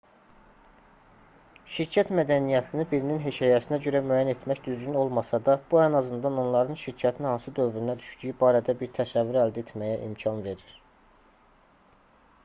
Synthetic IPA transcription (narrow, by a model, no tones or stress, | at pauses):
ʃiɾcʰæt̪mæd̪ænijæt̪ʰinibiɾininɦe̞cʰɑjæsinæɟø̞ɾæmyæːjæne̞t̪mæçd̪yzɟyno̞lˠmɑsɑd̪ɑb̥uænɑzɯnd̪ɑno̞nlˠɑɾɯnʃiɾcʰæt̪ʰinihɑnsɯd̪ø̞vɾynæd̪yʃd̪yjybɑːɾæd̪æbiɾt̪ʰæsævːyɾæld̪æe̞t̪ʰmæjæʔḭmcʰɑnve̞ɾiɾ̥